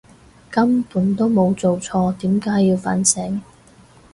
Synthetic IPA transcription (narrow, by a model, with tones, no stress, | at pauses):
kɐ˥mpuː˨˥nt̪o˥wmo˨˧wt͡so˨wt͡sʰɔː˧t̪iː˨˥mkaː˨˥jːiː˧wfa̰ː˨˥nsɛ˨˥ŋ